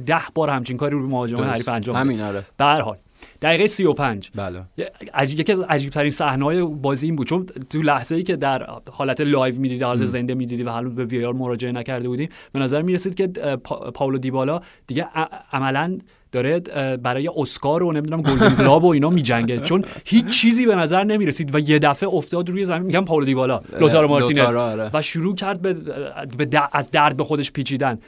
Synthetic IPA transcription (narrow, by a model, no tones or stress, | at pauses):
d̪æhb̥ɒːɾhæmt͡ʃʰiːŋkʰɒːɾiɾobemohɒːd͡ʒeæjehæɾifænd͡ʒɒːmmeb̥ehæɾhɒ̰ːl | d̪̥æɣiːɣejsio̞pʰænd͡ʒb | jeciæzzæd͡ʒiːb̥t̪ʰæɾinsæhneɒːjebɒːziiːnbud̪̚t͡ʃʰont̪ʰulæhz̥e̞iːcʰe̞d̪æɾhɒːlæt̪ʰelɒjvmiːd̪iːd̪hɒːlæt̪ʰeze̞nd̪emiːd̪iːd̪ivæhælunbeviejɑɾmoɾɒːd͡ʒe̞enæcæɾd̪e̞buːd̪iːmb̥e̞næzæɾmiːɾesiːd̪̚cʰe̞pʰpʰɒːlod̪iːbɒːlɒːd̪̥iɟeʔæmælæn | d̥̪ɒːɾe̞bæɾɒːjeʔoskɒːɾone̞mid̪unæmɡold̪iŋɡlɒːbo̞iːnɒːmiːd͡ʒæŋɟed̪̥̚t͡ʃʰo̞nhiːt͡ʃt͡ʃʰːiːziːbe̞næzæɾne̞miːɾesiːd̪væje̞d̪æfe̞oft̪ɒːd̪ɾuːje̞zæminmiɟæmpʰɒːlod̪iːbɒːlɒːlot̪ʰɑːɾemɒɾlinesvæʃuɾuːcʰæɾd̪̚bebed̪æʔæzd̪æɾd̪̚be̞xo̞d̪eʃpʰiːt͡ʃʰiːd̪æn